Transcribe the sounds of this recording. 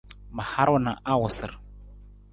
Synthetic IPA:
ma˨ha˦ɾwɔ˦na˨ʔa˦wʊ˨sə̰˨ɾ

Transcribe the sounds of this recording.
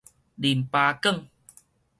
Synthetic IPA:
ɗi˨˩npaː˧kə˥˨ŋ

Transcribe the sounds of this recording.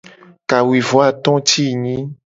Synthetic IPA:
ka˨wi˨vɔ˨˦a˦t̪ɔ̃˦t̪i˦˨ɲĩ˦

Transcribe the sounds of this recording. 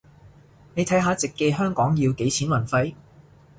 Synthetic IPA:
ne˨˧jt̪ʰɐ˨˥jɦaː˨˧t͡sɪ˨kːe˧jɦœː˥ŋkɔː˨˥ŋjiː˧wke˨˥jt͡sʰiː˨˥nwɐ˨˩nfɐ˧j

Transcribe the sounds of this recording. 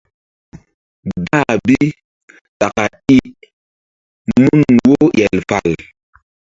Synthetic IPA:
da˦˨bi˦ | ta˨ka˨ | i˦ʔ | mu˦˨nwo˦jɛ˨lfa˨l

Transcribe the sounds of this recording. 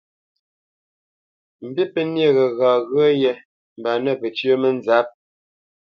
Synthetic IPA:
m̩˨bi˦pə˦nje˦˨ɣə˨ɣa˨ɣɰə˦jɛ˨ | m̩˨ba˨nə˦˨pə˨t͡ʃɥə˦mə˦n˦za˨˦p̚

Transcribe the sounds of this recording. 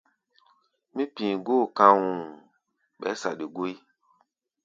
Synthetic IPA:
mĩ˦pĩ˨ɡo˦˨kã˧wũ˨ | ɓɛ̰˨˦sa˨de˨ɡo˦i˦

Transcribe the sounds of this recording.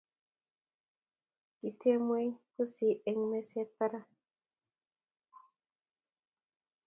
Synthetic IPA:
ki˨tʰe˦mwe˦jku˦si˨ʔe˨ŋme˦se˦pa˦ɾa˦

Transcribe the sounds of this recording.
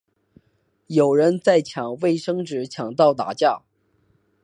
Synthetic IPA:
jo˨˩ʊɻə˧˥nt͡sa˥˩ɪt͡ɕʰjɑ˨˩ŋwe˥˩ɪʂɤ˥ŋʈ͡ʂɻ̩˧˥t͡ɕʰjɑ˨˩ŋt̪ɑ˥˩ʊt̪a̰˨˩t͡ɕja˥˩

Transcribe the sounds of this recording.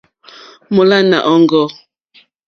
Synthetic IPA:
mɔ˨la˦na˨ʔɔ˦ŋɡɔ˦

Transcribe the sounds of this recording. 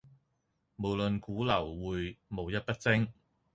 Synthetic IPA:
mo˨˩wlɵ˨nkuː˨˥lɐ˨˩wːuː˨jmo˨˧wjɐ˥t̚pɐ˥t̚t͡sɪ˥ŋ

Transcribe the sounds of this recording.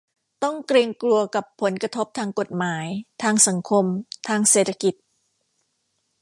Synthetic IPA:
t̪ɔ˥˩ŋkɾiː˧ŋklu˧ɐka˨˩pʰːo˩˦nkɾa˧t̪ʰo˦˥p̚t̪ʰaː˧ŋko˨˩t̪̚maː˩˦jt̪ʰaː˧ŋsa˩˦ŋkʰo˧mt̪ʰaː˧ŋseː˨˩t̪ʰːḁ˧ki˨˩t̪̚

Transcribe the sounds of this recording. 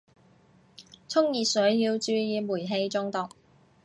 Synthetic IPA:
t͡sʰʊ˥ŋjiː˨sɵ˨˥ɥjiː˧wt͡ʃyː˧jiː˨˧muː˨˩jɦe˧jt͡sʊ˧ŋt̪ɔː˨k̚

